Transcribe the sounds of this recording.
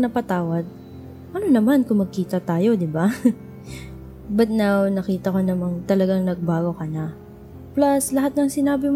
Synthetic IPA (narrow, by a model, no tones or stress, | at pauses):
nɐpɐt̪aːwɐd̪̚ | ʔɐnonɐmankʊŋmɐɡ̚kiːt̪ɐt̪aːjo̞d̪ɪba | bɐt̪̚nawnɐkiːt̪ɐko̞nɐmɐŋt̪ɐlɐɡaŋnɐɡ̚baːɡo̞kɐna | plaslɐɦat̪̚nɐŋsɪnaːbɪm